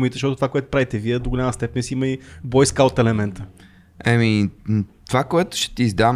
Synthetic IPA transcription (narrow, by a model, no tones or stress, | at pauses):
mit̪ɛzʃt̪ɔt̪t̪ovakoɛt̪ʊ̥pɾavit̪ɛviɛd̪oɡʊlʲʎʲaməst̪ɛpɛnsiiməibɔjskaot̪ɛlɛmɛnt̪ə | ɛmit̪ovakoɛt̪ʊ̥ʃɛ̥t̪iːzd̪a